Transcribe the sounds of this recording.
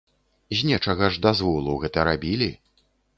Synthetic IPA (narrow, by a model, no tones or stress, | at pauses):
zʲnʲɛt͡ʂɐɣɐʐd̪azvɔlˠuwɣɛt̪ɐɾabʲilʲi